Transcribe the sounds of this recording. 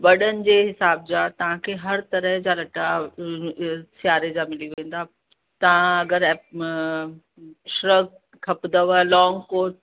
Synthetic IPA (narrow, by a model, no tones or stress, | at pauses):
ʋɐɗənɪ̆d͡ʑeːɦɪsaːb̚d͡ʑaːt̪ɐʋ̤ãkʰeːɦɐɾt̪ɐɾəɦd͡ʑaːlɐʈa | sjaːɾed͡ʑaːmɪliʋẽːnd̪aː | t̪ɐʋãɐɡəɾ | ʃɾɐɡ | kʰɐpd̪əʋəlɔːŋɡkoːʈ